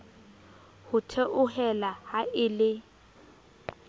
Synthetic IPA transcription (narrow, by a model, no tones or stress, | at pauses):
hʊtʰeʔʊɦɛlahaɪlɪ